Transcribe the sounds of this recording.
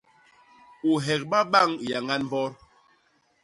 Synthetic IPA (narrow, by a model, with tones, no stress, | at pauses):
u˨ɦɛ˨k̚ɓa˦ɓa˦˨ŋ˨ja˨ŋa˦nm˦bɔ˦ɾ